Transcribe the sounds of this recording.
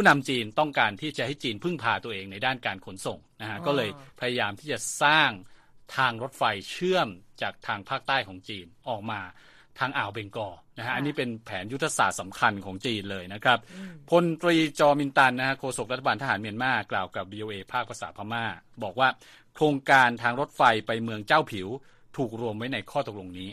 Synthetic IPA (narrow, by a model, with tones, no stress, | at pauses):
pʰuː˥˩na˧mt͡ɕiː˧nt̪ɔ˥˩ŋkaː˧nt̪ʰiː˥˩t͡ɕa˨t͡ɕa˧ha˥˩jt͡ɕiː˧npʰɯ˥˩ŋpʰaː˧t̪u˧ɐʔeː˧ŋna˧jdaː˥˩nkaː˧nkʰo˩˦nso˨˩ŋna˦˥kʰa˦˥kɔː˥˩lɤː˧jpʰa˧ja˧jaː˧mt̪ʰiː˥˩t͡ɕa˨˩saː˥˩ŋ | t̪ʰaː˧ŋɾo˦˥t̪̚fa˧jt͡ɕʰɯ˥˩əmt͡ɕaː˨˩k̚t̪ʰaː˧ŋpʰaː˥˩k̚t̪aː˥˩jkʰɔː˩˦ŋt͡ɕiː˧nʔɔː˨˩k̚maː˧ | t̪ʰaː˧ŋʔaː˨˩wbe˧ŋkɔː˧na˦˥kʰa˦˥ʔa˧nːiː˦˥pe˧npʰɛː˩˦nju˦˥t̪ʰːa˧saː˨˩t̪̚sa˩˦mkʰa˧nkʰɔː˩˦ŋt͡ɕiː˧nlɤː˧jna˦˥kʰɾa˦˥p̚ʰːo˧nt̪ɾiː˧t͡ɕɔː˧mi˧nt̪a˧nːa˦˥kʰa˦˥kʰoː˧so˨˩k̚ɾa˦˥t̪ʰːabaː˧nt̪ʰa˧ɦaː˩˦nmi˧ənmaː˥˩klaː˨˩wka˨˩p̚wiː˧ʔoː˧ʔeː˧pʰaː˥˩k̚pʰa˧saː˩˦t̚pʰaː˧maː˥˩bɔː˨˩k̚waː˥˩ | kʰɾoː˧ŋkaː˧nt̪ʰaː˧ŋɾo˦˥t̪̚fa˧jpa˧jmɯ˧əŋt͡ɕaː˥˩wpʰi˩˦w | t̪ʰuː˨˩k̚ɾu˧əmwa˦˥jna˧jkʰɔː˥˩t̪o˨˩k̚lo˧ŋniː˦˥